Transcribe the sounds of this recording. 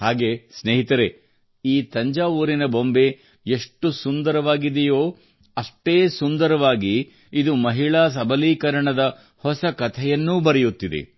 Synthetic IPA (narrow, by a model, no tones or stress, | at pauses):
haːɡe̞ːsneːɦit̪ɐɾe̞ | iːt̪ɐɲd͡ʒaːʋuːɾinɐbo̞mbe̞ | eʂʈusund̪ɐɾɐʋaːɡid̪ejoː | ɐʂʈeːsund̪ɐɾɐʋaːɡiː | d̪umɐɦiɭaːs̬ɐbʱɐliːkɐɾɐɳɐd̪ɐ | hɔsɐkɐt̪ʰɛjɐnːuːbɐɾɛjut̪ːid̪ḛ